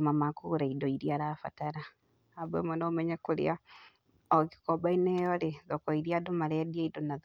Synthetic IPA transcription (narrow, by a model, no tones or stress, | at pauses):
mamakuɾaidɔiɾiaɾafa̰taɾa | abɛ̰mɔnɔmɛɲɛkoɾḛa | ɔɣi̥kɔbainɛjɔɾeðɔkɔiɾiadomaɾɛdiaidonað